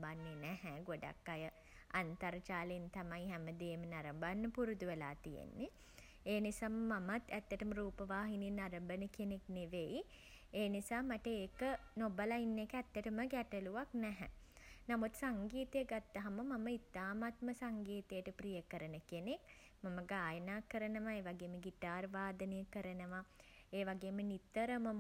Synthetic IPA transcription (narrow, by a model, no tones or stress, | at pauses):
banːenɛɦɛɡoɖa̰kːajə | ant̪aɾt͡ʃaːlint̪amajɦɛməd̪eːmənaɾəmbanːəpuɾud̪uʋelaːt̪ijḛnːe | eːnisaːməmamat̪æt̪ːəʈəməɾuːpəʋaːɦinenaɾəmbənəkenekneʋeji | eːnisaːmaʈəeːkənobəlainːekəæt̪ːəʈəməɡɛʈəluʋaknɛɦɛ̰ | namut̪saŋɡiːt̪əjəɡat̪ːaɦaməmaməit̪ːaːmat̪məsaŋɡiːt̪əjəʈəpɾijəkəɾənəkenek | maməɡaːjənaːkəɾənəʋaeːʋaɡeːməɡitaːrʋaːd̪ənejəkəɾənəʋa | eːʋaɡeːmənit̪ːəɾəmə